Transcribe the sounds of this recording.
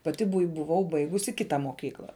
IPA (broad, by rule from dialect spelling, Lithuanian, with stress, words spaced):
pɐˈtʲɪ bʊˈɐɪ bʊˈʋɐʊ ˈbɐɪɡʊsʲɪ ˈkʲɪtɐ moːˈkʲiːklˠɐ